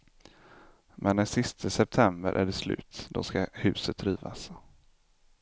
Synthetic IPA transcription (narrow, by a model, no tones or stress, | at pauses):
mʔɛnd̪ɛnsɪst̪ʰəsɛp̚t̪ʰɛmbə̰ɾʔæ̰ɖɛslʉ̟ːt̪d̪ɔ̰skahʉ̟ːsət̪ːɾiːva̰s